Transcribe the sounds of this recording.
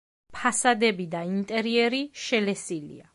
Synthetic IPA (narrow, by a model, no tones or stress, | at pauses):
pʰasad̪ɛbid̪aint̪ʼɛɾiɛɾiʃɛlɛsilḭa